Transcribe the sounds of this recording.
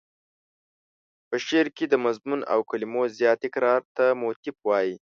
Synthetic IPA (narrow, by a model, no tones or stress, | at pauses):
pəʃeɾked̪əmazmuna̰wkalimozjɑt̪ɪkɾɑɾt̪amot̪ɪfwɑji